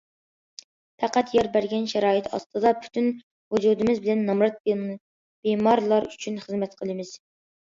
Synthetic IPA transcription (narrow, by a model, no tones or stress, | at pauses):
pʰæqæt̪jɑɾbæɾɡʲɛnʃɛɾɑːɨt̪ʰɑ̰st̪ʰɨd̪ɑpʰy̥t̪ʰyn | hud͡ʒud̪ɪmɪzbɪlɛnːɑmɾɑt̪̚ | b̥emɑɾlˠɑɾyt͡ʃʰynχəzmɛt̪qʰəlˠɨmɨz̥